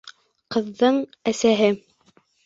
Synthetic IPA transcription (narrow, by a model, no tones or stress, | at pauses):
qɤ̆ðːɤɴæsæɦɘ